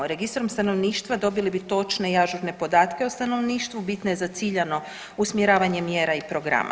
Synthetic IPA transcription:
ɾe̞ɡist̪ɾomst̪ano̞ʋniːʃt̪ʋad̪o̞bilibit̪o̞t͡ʃne̞iaʒuɾne̞po̞d̪aːt̪ke̞ost̪ano̞ʋniːʃt̪ʋubit̪nojezat̪siːʎano̞ | usmjeɾaːʋaɲe̞mjeːɾaipɾo̞ɡɾa̰ma̰

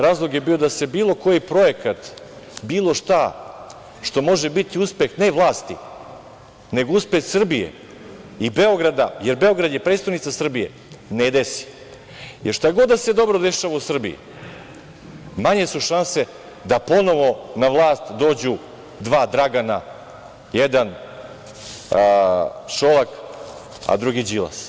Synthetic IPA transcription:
ɾaːzlˠo̞ɡjebiːo̞d̪ase̞biːlˠo̞ko̞jipɾo̞je̞kat̪ | biːlˠo̞ʃt̪a | ʃt̪o̞mo̞ʒebit̪iuspe̞xne̞ʋlˠaːst̪ḭ | ne̞ɡouspe̞xsr̩bijḛ | ibe̞oɡɾad̪ajeɾbe̞o̞ɡɾad̪jepɾet̪st̪aʋnit̪sasr̩bijḛ | ned̪esi̥ | jeɾʃt̪ajeɡo̞d̪d̪ase̞d̪o̞bɾod̪e̞ʃaʋausr̩bḭjṵ | maɲesuʃanse̞ | d̪apo̞no̞ʋo̞naʋlˠaːst̪d̪o̞ːd͡ʑu | d̪ʋaːd̪ɾaɡana | jed̪an | ʃolak | a̰d̪ɾuɡid͡ʑila̰s

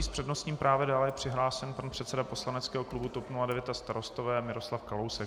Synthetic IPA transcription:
iːspr̥ɛdnost̪ɲiːmpɾaːvjɛdaːlɛjɛpr̝̥ɪɦlaːsɛnpanpr̥ɛt̪sɛdapo̞slanɛtt͡skɛːɦoklubut̪opnuladɛvjɛt̪ast̪aɾo̞st̪ovɛːmɪɾo̞slafkalo̞wsɛ

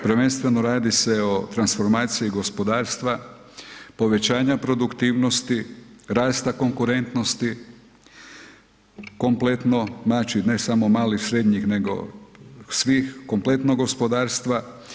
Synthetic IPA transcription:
pɾʋe̞nst̪ʋe̞noɾaːd̪ise̞ot̪ɾansfo̞ɾmaːt̪sijiɡo̞spo̞d̪aːɾst̪ʋa | po̞ʋe̞t͡ɕaːɲapɾo̞d̪ukt̪iːʋno̞st̪iɾaːst̪ako̞ŋkuɾe̞nt̪no̞st̪i | ko̞mple̞t̪no̞znaːt͡ʃine̞samo̞maːlixsɾe̞d̪ɲixne̞ɡo̞̰ | sʋiːxko̞mple̞t̪noɡo̞spo̞d̪aːɾst̪ʋa

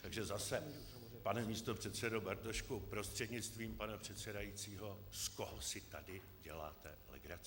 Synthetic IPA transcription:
t̪aɡʒɛzasɛ | panɛmiːst̪o̞pr̥ɛt̪sɛdobɛɾt̪oʃkopɾo̞st̪r̝̥ɛdɲɪt͡st̪viːmpanapr̝̥ɛt̪sɛdajit͡siːɦo̞skoɦosɪt̪adɪ | ɟɛ̰la̰ːt̪ɛ̰lɛ̰ɡɾat͡s

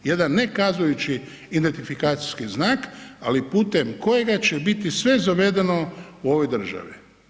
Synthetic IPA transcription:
je̞d̪anːe̞kazujut͡ʃi | id̪e̞nt̪ifikaːt̪si̥skiznaːkalipuːt̪e̞mko̞je̞ɡat͡ɕebit̪isʋe̞zaʋe̞d̪e̞no̞uo̞ʋojd̪r̩ʒa̰ʋḭ

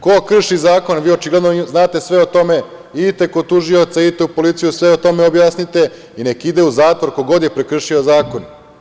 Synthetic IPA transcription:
kokr̩ʃizaːko̞nʋiːot͡ʃiɡled̪noznaːt̪e̞sʋe̞ot̪o̞me̞ | it̪e̞ko̞t̪uʒio̞t̪sait̪e̞upo̞lit̪sijusʋeot̪o̞me̞objaːsnit̪e̞ | inekid̪e̞uzaːt̪ʋo̞ɾkoɡo̞d̪jepɾekr̩ʃiozaːko̞n

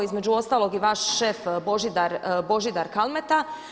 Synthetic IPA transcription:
izmed͡ʑuo̞st̪aːlo̞ɡiʋaːʃʃeːfbo̞ʒid̪aɾbo̞ʒid̪aɾkalˠmet̪a

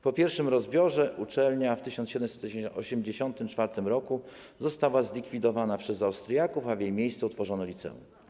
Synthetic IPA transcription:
pɔpʲjɛɾfʂɘmɾɔzbʲjɔʐɛʔut͡ʂɛlɲaft̪ɘɕɔnɕɛd̪ɛmsɛt̪ɔɔɕɛmd͡ʑeɕɔnt̪ɘmt͡ʂfaɾt̪ɘmɾɔku | zɔst̪awazlʲikfʲid̪ɔvanapʂɛzawst̪ɾjakufavʲjejmʲjejst̪sɛut̪fɔʐɔnɔlʲit̪sɛ̰ṵm

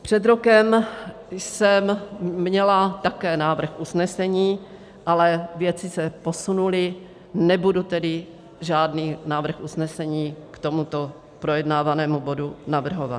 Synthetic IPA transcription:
pr̝̥ɛd̪ɾo̞kɛm | jsɛmmɲɛlat̪akɛːnaːvr̩xʔusnɛsɛɲiː | ʔalɛvjɛt͡sɪsɛpo̞sunulɪ | nɛbudut̪ɛdɪ | ʒaːdniːnaːvr̩xʔusnɛsɛɲiːkt̪omut̪o̞ | pɾojɛdnaːvanɛːmubo̞dunavr̩ɦova̰t̪

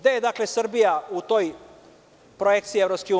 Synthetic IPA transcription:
ɡd̪ejed̪akle̞sr̩bijaut̪o̞j | pɾojek̚t̪siːevɾopskeu

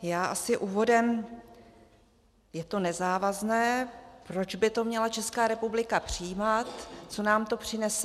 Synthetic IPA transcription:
jaːʔasɪʔuːvo̞dɛm | jɛt̪o̞nɛzaːvaznɛːpɾo̞d͡ʒbɪt̪o̞mɲɛlat͡ʃɛskaːɾɛpublɪkapr̝̥ɪjmat̪t͡so̞naːmt̪o̞pr̝̥ɪnɛsɛ

